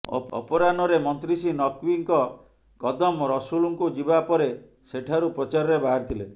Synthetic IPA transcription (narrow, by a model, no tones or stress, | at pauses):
ɔ̰ɔ̰pɔɾanɔɾemɔnt̪ɾisinɔkwiŋkɔ | kɔd̪ɔmɾɔsuluŋkud͡ʒibapɔɾe | seʈʰaɾupɾɔt͡ʃaɾɔɾebaɦaɾt̪ʰile